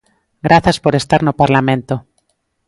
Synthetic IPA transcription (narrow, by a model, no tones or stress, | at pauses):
ɡɾʔaθaspoɾest̪aɾnopaɾlamẽnt̪o